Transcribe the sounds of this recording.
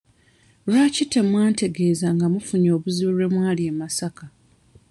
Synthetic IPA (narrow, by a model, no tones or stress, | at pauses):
ɾwacitːemwaːnte̞ɡe̞ːzaŋɡamufuɲo̞ːβuziβuɾwe̞mwaːliemasaka